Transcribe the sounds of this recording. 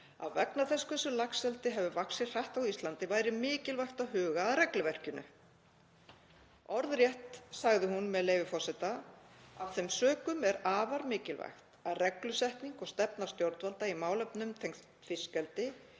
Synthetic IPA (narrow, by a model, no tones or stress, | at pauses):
a̰vvɛknaθɛskɛsːʏlaksɛlt̪ɪɦɛvʏvaksɪ̥r̥aht̪awist̪lant̪ɪvaːjɾɪmɪːcɪlvajxt̪aðɦʏːɣaːðrɛklʏvɛr̥cʏnʏ̰ | ɔɾðɾjɛht̪saɣðɪɦunmɛðleːjvɪfɔr̥sɛt̪aavθɛjmsœːkʏmɛɾaːvaɾmɪːcɪlva̰jxt̪aðrɛklʏsɛhkniŋkɔɣst̪ɛpnast̪jowɾt̪valt̪aimaːwlɛpnʏmt̪ʰejŋ | fɪskɛlt̪ɪ